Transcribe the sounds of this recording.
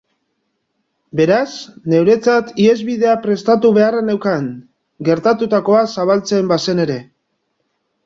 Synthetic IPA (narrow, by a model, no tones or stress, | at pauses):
be̞ɾasne̞wɾe̞t͡sat̪ie̞zβið̞e̞apɾe̞st̪at̪uβe̞aranewkaŋ | ɡe̞ɾt̪at̪ut̪ako̞asaβalt͡se̞mbase̞ne̞ɾe̞